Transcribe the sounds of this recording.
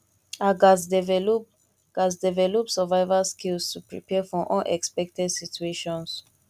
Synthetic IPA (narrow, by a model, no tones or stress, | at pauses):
aɡasdɛvɛ | ɡ̥as̬dɛvɛlɔpsɛvaɪvaskilstupɹḭpɛfɔʔɔ̃nʔɛ̰kspɛk̚tɛdsitueʃɔ̃ns